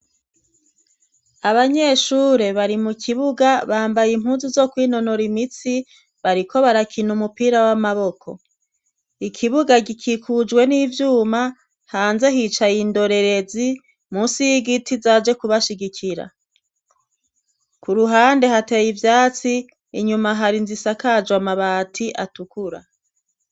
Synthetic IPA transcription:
aβaɲe̞ːʃuːɾe̞βaɾimukʰiβuɡaβaːmbajim̥huːnzuzo̞kwiːno̞noɾimit͡si | βaɾikʰo̞βaɾakʰinumupiːɾawamaβo̞kʰo̞̰ | ikʰiβuɡaɡikʰikʰud͡ʒwe̞niːvjuːma | haːnze̞ɦit͡ʃajindo̞ɾe̞ɾe̞zi | muːsijiɡitizaːd͡ʒe̞kuβaʃiɡikʰiɾa̰ | kuɾuɦaːnde̞hate̞jivjaːt͡siː | ɲumaɦaɾinzisakad͡ʒwamaβaːtʰiʔatukuɾa̰

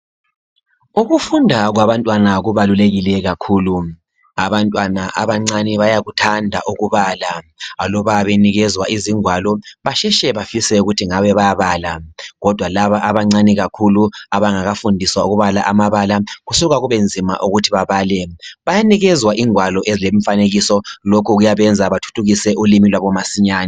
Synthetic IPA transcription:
uɣufundʱaɣwaβantʼwanaɣuβaluleɣilɛɣakʰuːlu | aβantʼwanaʔaβaŋ͡ǀaniβajaɣutʰandʱa̰ʔuɣuβalaalɔβaβeniɣɛzwaʔiziŋwalɔβaʃɛʃɛβafisɛuɣutʰiŋaβɛβajaβaːlaɣɔd̥ʱwalaβaʔaβaŋ͡ǀaniɣakʰuluaβaŋaɣafundʱiswauɣuβala̰ʔamaβalaɣusuɣaɣuβend͡zʱima̰ʔuɣutʰiβaβaːlɛβajaniɣɛzwaʔiŋwalɔʔezilem̩faneɣisɔlokʰuɣujaβɛnd͡zʱaβatʰu̥tʰuɣisɛʔulimilwaβɔmasiɲaːni

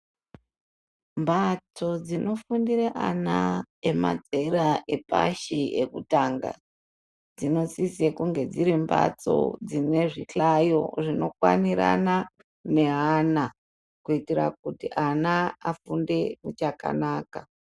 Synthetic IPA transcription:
mbat͡so̞d͡zinʔo̞fundiɾeʔanaema̰d͡zeɾaʔe̞pa̰ʃiekutaŋɡa̰ | d͡zino̞sisekuŋɡe̞d͡ziɾimba̰t͡so̞̰d͡zine̞ʐiɬajo̞̰ʐino̞kwa̰niɾa̰na | ne̞ɦana | kuitiɾa̰k̚utiʔanaafunde̞mut͡ʃaka̰naːka

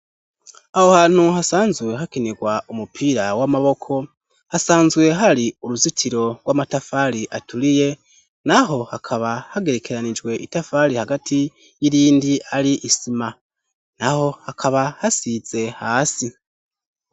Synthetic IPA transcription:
aho̞haːn̥huɦasaːnzwe̞ɦakeneɡwaʔumupʰiːɾawamaβo̞kʰo̞ | hasaːnzwe̞ɦaɾiuɾuzitʰiɾo̞ɡwamatafaɾiʔatuɾije̞ | naɦo̞hakʰaβahaɡe̞ɾe̞ke̞ɾanid͡ʒwe̞ʔitafaɾihaɡatʰi | jiɾiːndiʔaɾiʔisima | naho̞hakʰaβahasiz̥e̞haːsi

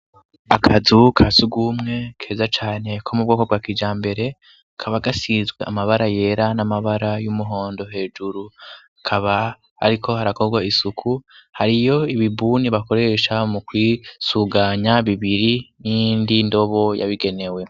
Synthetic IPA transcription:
akʰazukʰazuɡumŋe̞kʰe̞ːzat͡ʃaːne̞kʰo̞mubɡo̞kob̚ɡaːkiːd͡ʒaːmbe̞ɾe̞ | akʰaβaɡasizɡweʔamaβaɾaje̞ɾanamaβaɾajumuɦo̞ːndo̞ɦe̞ːd͡ʒuɾuakʰaβa | a̰ɾikʰo̞haɾako̞ɡwaisukʰuhaɾijo̞iβibuːniβako̞ɾe̞ʃamukwiːsuɡaɲaβiβiɾinindindo̞βo̞ja̰βiɡe̞ne̞we̞

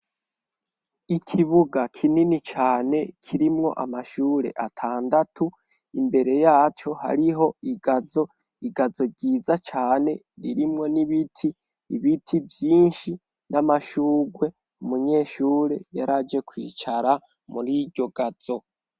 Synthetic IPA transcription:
ikʰiβuɡakʰininit͡ʃaːne̞kʰiɾimŋo̞ʔamaʃuːɾe̞̰ʔatʰaːndatʰu | imbe̞ɾe̞jaːt͡ʃo̞ha̰ɾiɦo̞iɡazo̞ | iɡazo̞ɟiːzat͡ʃaːne̞ | ɾiɾimŋo̞niβitʰiː | βitʰivjiːnʃi | nʔamaʃuːɡwe̞ | umuɲe̞ːʃuːɾe̞jaɾad͡ʒe̞kwḭːt͡ʃaɾa | muɾiɾɟo̞ɡaz̥o̞

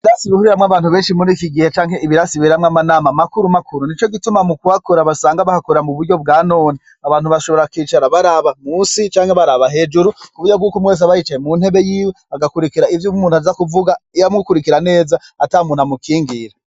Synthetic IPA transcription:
iiɾasiβihuɾiɾamŋaβaːn̥huβeːnʃimunikiɡihet͡ʃaːŋɦe̞iβiɾasiβiɾamŋamanaːmamakuɾumakʰuɾunit͡ʃo̞ɡitumamukuhakoɾaβasaːŋɡaβahakoɾamuβuɾɟo̞b̚ɡaːnoːni | aβaːn̥huβaʃoβo̞ɾakwiːt͡ʃaɾaβaɾaβamuːsit͡ʃaːŋheβaɾaβaɦe̞d͡ʒuɾukuβudjob̚ɡuːkomweːs̬aβajit͡ʃajemun̥he̞βe̞jiːweaɡakuɾikiɾaivjumuːnhuazakuvuɡaijamɡukuɾikiɾane̞ːzaataːmuːn̥hamukʰiːŋɡiɾa

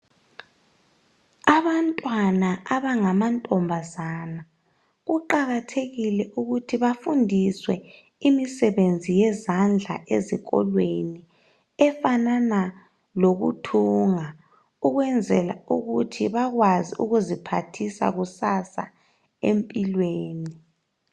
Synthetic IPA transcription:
aβantʼwanaaβaŋamantʼɔmbʱazana | ɣuǃaɣatʰeɣilɛʔuɣutʰiβafundʱiswɛ | imisɛβend͡zʱijɛzand͡ɮʱa̰ʔeziɣɔ̰lweni | ɛfanana | loɣṵtʰuŋa | uɣwɛnd͡zʱɛla̰uɣutʰiβaɣwaziʔṵɣuzipʰa̰tʰisa̰ɣusasa̰ | ḛmpʼilweːni

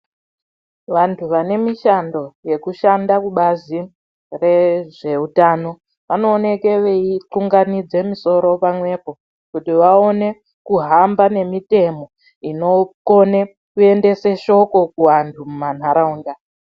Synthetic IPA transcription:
ʋantʰuʋane̞miʃando̞je̞kuʃandakuɓazi | re̞ʐe̞utaːno̞ | ʋano̞ːne̞ke̞ʋeit͡ɬuŋɡanid͡ze̞miso̞ɾo̞pamwe̞po̞ | kutiʋao̞ne̞ | kuɦambane̞mite̞mo̞ | ino̞kone | kue̞nde̞seʃo̞ko̞kuwantʰumuman̤aɾauːnda

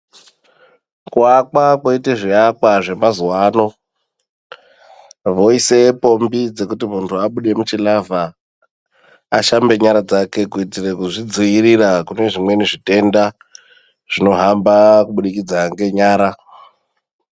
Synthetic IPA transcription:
kuakakwoiteʐiakwaʐe̞mazuwaːno̞ | ʋo̞ise̞po̞mbid͡ze̞kutimuntʰuaɓuɗe̞mut͡ʃilava | aʃambe̞ɲaɾad͡zake̞kuitirekuʐid͡ziirirakune̞ʐimwe̞niʐite̞nda | ʐ̥ino̞ɦambakuɓuɗikid͡zaŋɡe̞ɲaːɾa

